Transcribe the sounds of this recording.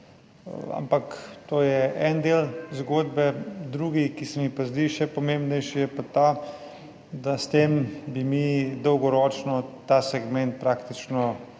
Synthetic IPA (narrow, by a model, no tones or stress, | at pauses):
a̰mpakt̪oːjɛʔɛnd̪eːlzɡoːd̪bɛd̪ɾuːɡikisɛmixpazd̪iʃɛpɔmembnɛjʃijɛpat̪a | d̪ast̪eːmbimid̪ɔwɡɔɾɔːt͡ʃnɔt̪asɛɡmɛnt̪̚pɾaːkt̪it͡ʃnɔ